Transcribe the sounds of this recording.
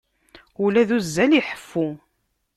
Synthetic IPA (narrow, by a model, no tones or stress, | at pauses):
ulæðuzːæliħə̥fːu